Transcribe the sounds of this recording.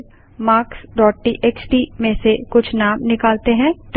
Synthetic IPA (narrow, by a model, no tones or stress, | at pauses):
maːksɖɔːʈ̚ʈiːʔeːksʈiːmẽsekʊt͡ʃʰnaːmnɪkaːlt̪eɦɛ̃ʈ